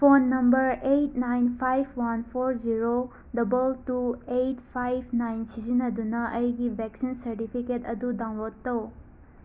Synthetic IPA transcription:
pʰonːɐmbɐɾejt̚najnpʰajpʰwanpʰoɾziɾo | dɐbɐltuejtpʰajpʰnajnsizinɐdunɐʔɐjɡibʱeksinsɐɾtipʰiketɐdudaŋlotːɐw

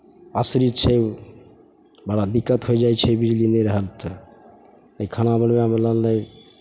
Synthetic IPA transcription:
asɾit͡ʃʰɛ | bəɽad̪ikːət̪ɦojd͡ʒajt͡ʃʰɛbid͡ʒlineɾəɦəlt̪ə | əjkʰanabəɽmeamələlːəj

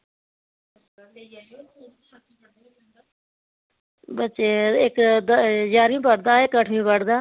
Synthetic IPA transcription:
bət͡ʃeːɪkd̪d͡ʒaːɾĩbəɽd̪aːɪkəʈʰmĩːbəɽd̪aː

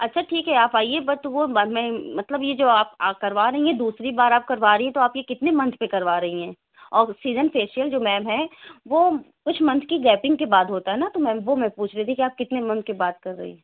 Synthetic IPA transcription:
ɐtːʃʰaʈʰiːkɦɛaːpaːiebɐt̪ʋommɛ̃mɐt̪ləbjed͡ʒoːaːp̚aːkɐɾʋaːɾɐɦiɦɛ̃d̪uːsɾibaːɾaːp̚kɐɾʋaːɾɐɦiɦɛ̃t̪oaːpjekɪt̪nemɐ̃nt̪ʰpekɐɾʋaːɾɐɦiɦɛ̃ː | ɔːɾsiːzənfeːʃijəld͡ʒoːmɛːmɦɛ̃ʋoː | kʊt͡ʃʰmɐ̃nt̪ʰkiɡɛːpɪ̃ŋɡkebaːd̪ɦoːt̪aɦɛnat̪omɛ̃ːʋomɛ̃puːt͡ʃʰɾeːt̪ʰĩkiaːp̚kɪt̪nemɐ̃nt̪̚ʰkebaːt̪̚kɐɾːɐ̰ɦḭɦɛ̃ː

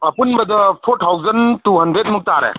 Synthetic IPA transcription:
ɐpunbɐd̪ɐpʰoɾtʰawzəntuɦɐndɾet̚muk̚taɾḛ

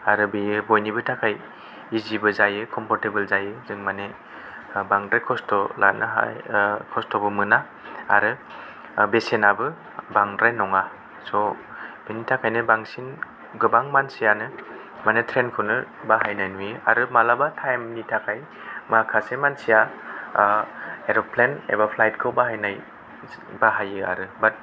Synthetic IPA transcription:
aɾɯbebojnibɯtʰakʰaj | izibɯzajɯkʰɔmpʰɔɾtebɯlzajɯzɯŋmane | baŋdɾajkʰɔstɔla̰t̚nɯ̰ɦa̰jkʰɔstɔbɯmɯna | a̰ɾɯ | besenabɯ | baŋdɾajnɔŋa | sɔb̥initʰakʰajnɯbaŋsin | ɡɯbaŋmansijanɯ | majnɯtʰɾenkʰɯnɯbaɦajnajnujɯa̰ɾɯmalabatʰajmnitʰakʰaj | mɯakʰasemansija | eɾɔpʰlenḛbapʰlajt̚kʰɯwbaɦajnaj | baɦajɯa̰ɾɯbat̚

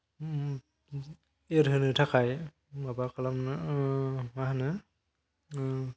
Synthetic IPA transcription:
eɾɦɯnɯtʰakʰaj | mabakʰalamnɯ | maɦanɯ

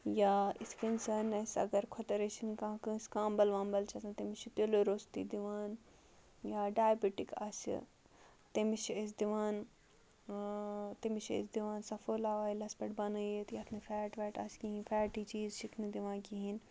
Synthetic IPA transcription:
jaːiskɐnsɐnɐsʲɐ̰ɡɐɾkʰot̪ɐɾet͡ʃʰinkãɦkɨ̃sʲkãːmbɐlʋãːnbɐlt͡ʃʰɐsɐ̃nt̪ɐmit͡ʃʰit̪eloɾoːst̪ḭd̪iʋaːn | jaːɖaːjbiʈikɐ̰sḭ | t̪emit͡ʃʰesd̪iʋaːn | t̪imit͡ʃʰḛsd̪iʋaːnsɐfoːlaːʋaːilɐspɐʈbɐnɐjet̪jaːt̪ʰnifʰɛːʈʋɛːʈɐ̰skiɦinfʰɛːʈiːt͡ʃiːzʃikʰnɨd̪iʋãːnkiɦin

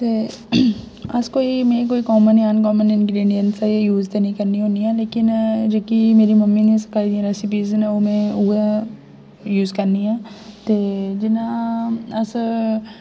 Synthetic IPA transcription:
t̪e | ɐskoːimẽkoːikɔːmənankɔːmənɪ̃nɡɾeːɖijənsjuːzd̪enikɐɾniɦoːniɦɛ̃leːkɪnd͡ʒoːkimeːɾimɐmːinɐĩsɐ̥kaːid̪iẽɾɛsɪp̬iːznaoːmẽue | juːzkɐɾniɦɛ̃ːt̪eːd͡ʒɪnãɐs

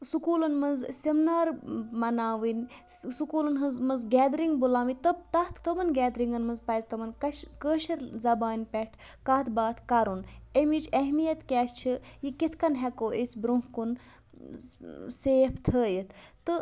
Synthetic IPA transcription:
sukuːlɐnmɐnzsimnaːɾmɐnaːʋinʲ | sukuːlɐnɦɐnzmɐnzɡʲɛːd̪ɾiŋɡbulaːmit̪ɐb̚t̪ɐt̪ʰt̪ɐmɐnɡʲɛːd̪ɾiŋɡɐnmɐnzpɐzt̪ɐmɐnkɐkəːʃɐɾzɐbaːnʲpʲɛʈʰ | kaːt̪ʰbaːt̪ʰkaɾunemit͡ʃʰɐɦmijɐt̪kʲaːst͡ʃʰijikit̪ʰkɐnɦɛkoːʔesʲbɾũŋkun | seːft̪ʰəːjit̪ʰt̪ɨ

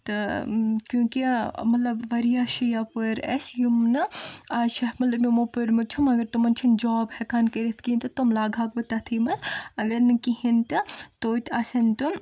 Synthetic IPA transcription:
t̪ɨkjũːkimɐt̪lɐbʋɐɾijaʃijapəɾɐ̰sjumnɨaʃɐɦmɐt̪lɐbmimopɨɾmɐt͡ʃʰumɐɡɐɾt̪umɐnt͡ʃʰind͡ʒɔːbhɛkaːnkɐɾit̪ʰkint̪ɨt̪umlaːɡʱaːk̚bɐt̪ɐt̪ʰiːmɐsɐɡɐɾnɨkiɦint̪ɨt̪oːt̪aːsɐnt̪um

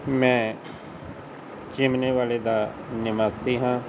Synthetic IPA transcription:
mɛ̃ː | t͡ʃɪmneːʋaːleːd̪aː | nɪmaːsiːɦãː

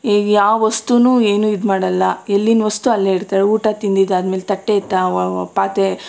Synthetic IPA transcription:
iːɡjaːʋʋɐst̪unuːeːnuːid̪maːɽɐlːɐelːinʋɐst̪uɐlːeiɽt̪aːɾeuːʈat̪ind̪id̪ɐd̪meːlt̪ɐʈːet̪ːapaːt̪e

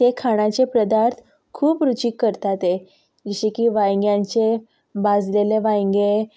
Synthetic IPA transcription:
t̪ekʰaɽ̃at͡ɕepɾəd̪aɾt̪ʰ | kʰuːpɾut͡ɕikːəɾt̪at̪e | d͡ʑəɕikiːʋajŋɡjãɲt͡ɕe | bad͡zleleʋajŋɡe

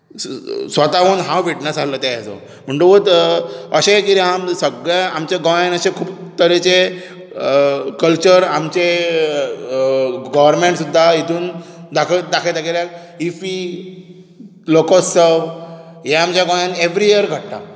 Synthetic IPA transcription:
sʋət̪aʋənɦãwʋiʈnəsalət̪aɛd͡zo̰ | m̤əɳʈ̪oʋət̪əɕẽkiɾiɦamsəɡɭaamt͡ɕaɡɔjanəɕẽkʰuːpt̪əɾet͡ɕe | kəlt͡ɕəɾamt͡ɕe | ɡəʋəɾmeɳʈsud̪ʱːait̪ʰuːnd̪akʰəd̪akʰet̪akeljak̚ | ifi | lokɔsːə | jeamt͡ɕaɡɔjaneʋɾijiəɾɡʱəɽt̪a̰

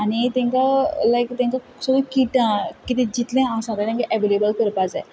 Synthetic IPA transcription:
anit̪ɛ̃ŋkalajkt̪ẽŋka | səɡəkiʈãkit̪ẽd͡ʑit̪lɛ̃ãsãt̪ãt̪ẽŋkaʔɛʋelebəlkəɾpad͡zaj

